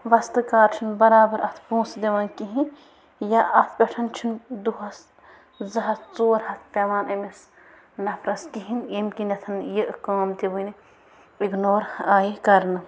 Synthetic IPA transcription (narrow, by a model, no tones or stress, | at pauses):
ʋɐst̪ɨkaːɾt͡ʃʰunbɐɾaːbɐɾʔɐt̪ʰpũːsd̪eʋɐːnkiɦĩn | jaʔɐt̪ʰpʲɛʈʰɐnt͡ʃʰund̪uɦɐs | zɐɦɐt͡soːɾhɐt̪ʰpʲeːmaːnɐmes | nɐpʰɾɐskiɦinemkinɐt̪ʰɐnjiʔkaːmt̪iʋɨni | iɡnoːɾaːjikɐɾnɨ